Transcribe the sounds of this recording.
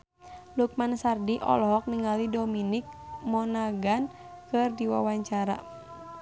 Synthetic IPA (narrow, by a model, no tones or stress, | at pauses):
luk̚mansardiʔɔ̰lɔɦɔk̚niŋalidɔminik̚mɔnaɡan | kɨrdiwa̰waɲt͡ʃaɾa̰